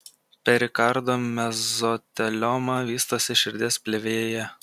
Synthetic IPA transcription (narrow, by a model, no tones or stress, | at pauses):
pʲɛɾʲɪkɐɾd̪oːmʲɛzɔt̪ʲɛlʲɔmɑʋʲiːst̪oːsʲɪʃʲɪɾʲd̪ʲeːspʲlʲeʋʲeːjjɛ